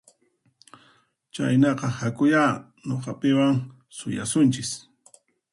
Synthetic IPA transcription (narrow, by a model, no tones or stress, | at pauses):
t͡ʃa̰jnɑqɑhakʊja | noqɑpɪwaŋ | sʊja̰sʊnt͡ʃɪs